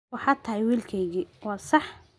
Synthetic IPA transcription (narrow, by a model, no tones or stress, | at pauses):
wɑħɑt̪ʰɐɦɪjwiːlkʰɛjɣiːwɑːsɑħ